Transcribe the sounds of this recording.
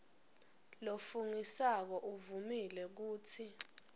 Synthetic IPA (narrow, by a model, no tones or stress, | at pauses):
lofuŋisak̬ɔʔuvumilɛk̬uːt͡sʰi